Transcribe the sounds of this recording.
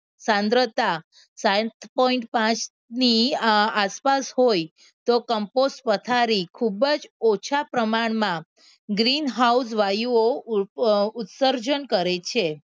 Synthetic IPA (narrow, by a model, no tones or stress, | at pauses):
sãnd̪ɾət̪a | sãt̪ʰpɔiɳʈpãt͡ʃ | niaspasɦoj | t̪okəmposʈpət̪ʰaɾikʰubəd͡ʒot͡ʃʰapɾəmaɳmã | ɡɾinɦaus̬ʋajuo | ut̪səɾd͡ʒənkəɾet͡ʃʰe